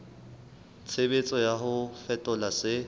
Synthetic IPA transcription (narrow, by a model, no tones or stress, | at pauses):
t͡sʰebet͡sʼɔjaɦʊfɛtʼɔlasɪ